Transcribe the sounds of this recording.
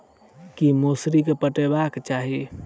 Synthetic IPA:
kimosɾikepəʈebakt͡ʃaɦi

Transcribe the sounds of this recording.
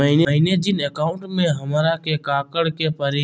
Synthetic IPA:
məɦineəɦined͡ʒɪnekaːʊ̃ɳʈmẽɦɐmɾakekaːkəɽkepəɾe

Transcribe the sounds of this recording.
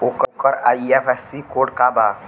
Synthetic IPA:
okkəɾaiepʰɛsikoːɖkaba

